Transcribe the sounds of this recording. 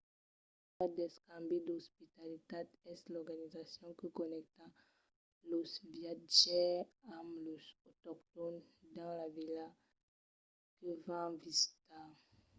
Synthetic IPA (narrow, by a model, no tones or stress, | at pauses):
kad̪ɛskãmbed̪ɔspit̪alitad̪ɛslɔʁɡanizasjɔ̃kəkɔnɛk̚t̪a | losivjat̚ʒɛamlosot̪ɔktɔnd̪ɑ̃lavila | kəvãvizita